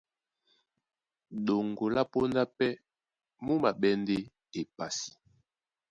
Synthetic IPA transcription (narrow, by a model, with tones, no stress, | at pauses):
ɗo˨ŋɡo˨la˦po˦nda˦pɛ˦ | mu˦ma˨ɓɛ˦nde˦ | e˨pa˨si̥˨